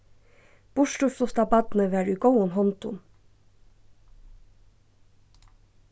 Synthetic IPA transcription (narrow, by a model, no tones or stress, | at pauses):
b̥ʊʃʈuːsʊst̪ɑːbɑd̪n̩əʋæːɾʉːɡoʊənhɔnt̪ʊ̰n